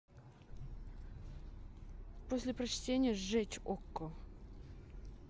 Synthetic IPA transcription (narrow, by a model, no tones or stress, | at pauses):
posʲlʲɪpɾɐt͡ɕtʲenʲɪjəʐɛt͡ɕʲokːə